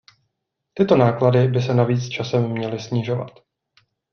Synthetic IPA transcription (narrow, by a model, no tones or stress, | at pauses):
t̪ɪt̪o̞naːkladɪbɪsɛnaviːt͡st͡ʃasɛmːɲɛlɪsɲɪʒo̞va̰t̪